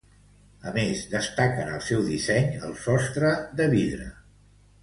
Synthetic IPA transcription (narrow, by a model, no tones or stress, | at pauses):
əmezðəst̪akənəlˠsɛwðisɛɲə̰lˠsɔst̪ɾəðəβiðɾə̰